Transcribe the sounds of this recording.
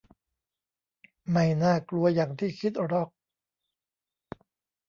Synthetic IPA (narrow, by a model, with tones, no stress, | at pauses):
ma˥˩jnaː˥˩klu˧ɐjaː˨˩ŋt̪ʰiː˥˩kʰi˦˥t̪̚ɾɔ˦˥˩k̚